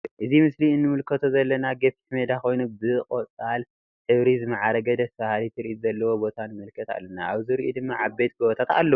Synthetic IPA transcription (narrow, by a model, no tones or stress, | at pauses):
ʔɨzimɨsliɨnːɨmɨlkʰɐt̪ʰozɐlːɐnaɡepi̥t̪med̪ako̞jnubɨkʼot͡sʼal | ħɨβɾizɨmaʕaɾɐɡɐd̪ɐsfahalit̪ʰɨɾiʔizɐlːɐwobo̞t̪ʰanɨmɨlkʰɐt̪a̰lːɐnːaaβziɾiʔud̪ɨmːaʕabet̪̚ɡoβot̪ʰat̪a̰lːɐ